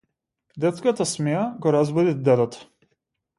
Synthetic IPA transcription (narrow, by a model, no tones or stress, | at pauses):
d̪ɛt̪skat̪asmɛjaɡɔɾazbɔd̪id̪ɛd̪ɔt̪